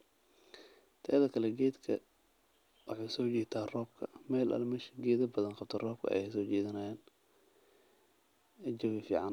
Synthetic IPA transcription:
t̪ʰɐɐðɐkʰɐlɛɡɛːd̪kʰɐ̰ | wɑħɑsɔːt͡ʃɛːt̪ʰaːrɔːb̚kʰɐ̰mɛːlʔɐ̰lmɛʃɡɛːðɐbɐðɐnqɑb̚t̪ʰɔrɔːb̚kʰɐ̰jɛ̰sɔːt͡ʃɛːðɪnaːjaːn | ɛd͡ʒɐwɪfḭːʕɑn

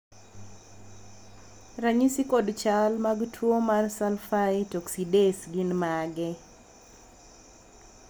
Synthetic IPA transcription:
ɾaɲisikodt͡ʃalmaɡtʰwomarsalfaɪtoksidesɡɪnmaɡɛ

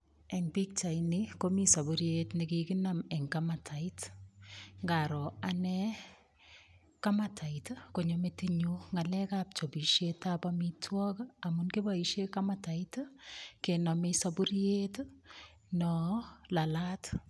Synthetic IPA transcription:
ɛŋbik̚t͡ʃaɪnikomisabuɾjetnikikɪnamɛŋkamatʰaɪt | ŋɡaɾɔanɛ | kamatʰaitkoɲometiɲuŋalɛkap̚t͡ʃobiʃetabamitʰwɔkamunkibaiʃekamataitkenɔmisabuɾjet | nɔlalat

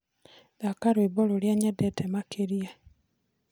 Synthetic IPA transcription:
ðakaɾwibololjaɲɛdɛtɛmakʰeɾia

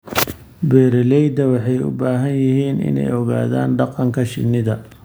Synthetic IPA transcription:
bɛːɾɪlɛjd̪ɐwɑħɑjʊ̰baːɦɐnjɪɦiːnɪ̰nɛ̰jɔɣa̰ːða̰ːnɖɑqɑŋkʰɐʃɪ̰nːɪðɐ

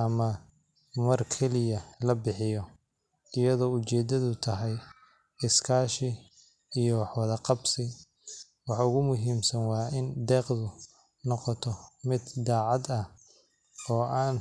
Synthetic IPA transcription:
ɐmɐ | mɐrkʰɛlɪjɐlɐbɪħɪjɔ | ɪjɐðɔːʊt͡ʃɛːd̪ɐðʊt̪ʰɐɦɛj | ɪskʰaːʃɪ | ijɔwɑħwɑðɐqɑbsɪ | wɑħʊɣʊmʊɦiːmsɐnwɑaɪnd̪ɛːqðʊ | nɔqɔt̪ʰɔmɪd̪d̪aːʕɑd̪ɐ | ɔːʔaːn

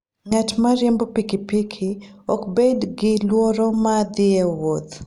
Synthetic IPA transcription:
ŋatmaɾjɛmbopikipikʰiɔkbedɡɪlwoɾomad̪ɪewot̪

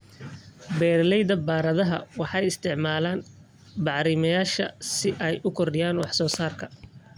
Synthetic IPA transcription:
bɛːɾlɛjd̪ɐbaːɾɐðɐɦɐ̰wɑħɑjɪst̪ʰɪʕmaːlaːn | bɑʕɾɪmɐjaːʃɐ̰sɪʔɛjʔʊkʰɔrɖɪjaːnwɑħsɔːsaːrkʰɐ

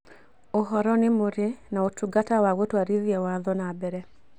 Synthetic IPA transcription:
oɦɔɾɔnɪmoɾenaotuɡatawawotwaɾiðjɛwaðɔnabɛɾɛ

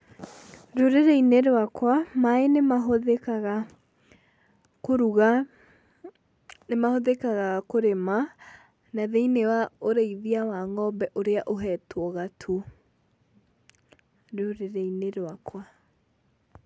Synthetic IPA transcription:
ɾoɾeɾeineɾwakwamaenemaɦoðekaɣa | koɾuɣa | nemahoðekaɣakoɾema | naðeinewaoɾeiðiawaŋɔbɛʔoɾeaʔoɦɛtwɔɣatʰu | ɾoɾeɾeineɾwakwa

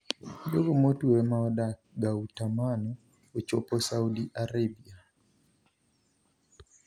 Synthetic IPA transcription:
doɡomotuemaɔdak̚ɡautamanɔː | t͡ʃopɔsaudiʔaɾebia

